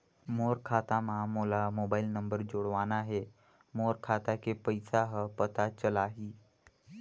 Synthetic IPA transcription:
moːɾkʰaːt̪amãmoːlamoːbaːɪlnəmbəɾd͡ʒoːɽʋaːnaɦe | moːɾkʰaːt̪akepəɪsaɦəpət̪at͡ʃəlaɦiː

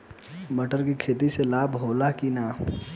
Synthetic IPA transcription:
mɐʈəɾkikʰeːt̪̬iselaːbɦoːlakinaː

